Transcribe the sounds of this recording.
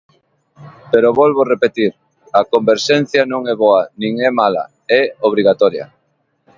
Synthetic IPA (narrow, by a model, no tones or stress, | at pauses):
peɾoβɔlβorepet̪iɾ | ɐkombeɾʃɛn̟θjɐnõŋɛβɔanĩŋɛmalɐ̰ | ɛoβ̞ɾiɣat̪ɔɾjɐ̰